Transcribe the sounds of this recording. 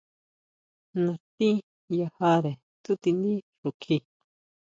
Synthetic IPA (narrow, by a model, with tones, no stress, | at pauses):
nã˧˨t̪ĩ˦ | ja˧ha˧˦ɾe˨ | t̪u˦t̪i˧nd̪ĩ˦ʂu˨kʰi˧